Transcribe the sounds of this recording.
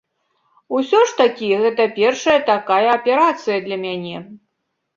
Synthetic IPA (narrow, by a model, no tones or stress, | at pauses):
usʲɔʂt̪akʲiɣɛt̪ɐpʲɛrʂɐjɐt̪akajɐːpʲɛɾat̪sɨjɐd̪lʲɐmʲanʲɛ